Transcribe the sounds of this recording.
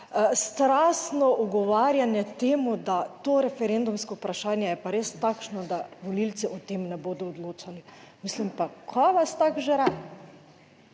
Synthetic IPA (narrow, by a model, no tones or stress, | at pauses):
st̪ɾaːsnɔʔuɡɔʋaːɾjanjɛt̪eːmud̪at̪oɾɛfɛɾend̪umskɔupɾaʃaːnjɛjɛpaɾeːst̪aːkʃnɔd̪aʋɔlilt̪siʔɔt̪eːmnɛboːd̪ɔːd̪loːt͡ʃalimislimpakʰɔʋast̪akʒeɾad̪